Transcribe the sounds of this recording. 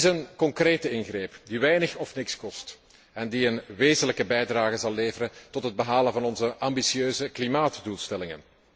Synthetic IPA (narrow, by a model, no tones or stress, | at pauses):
ɪsənkɔŋkreːtɪnɣreːpdiʋɛjnəxɔfnɪkskɔst | ɛndiənʋeːzənləkəbɛjdraːɣəzɑlˠːeːvərɾəntɔtɦəd̚bəɦaːlənvɑnɔnzəʔɑmbisjøːzəklimaːtdulˠstɛlɪŋə̰n